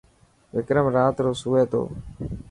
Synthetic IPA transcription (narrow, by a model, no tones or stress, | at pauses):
ʋɪkɾəmɾaːt̪ɾoːsuːeːt̪o̰ː